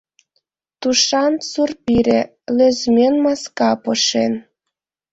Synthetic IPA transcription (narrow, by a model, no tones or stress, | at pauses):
t̪uʃɑnsurpiɾʲe | løzmʲenmɑskɑpɤʃen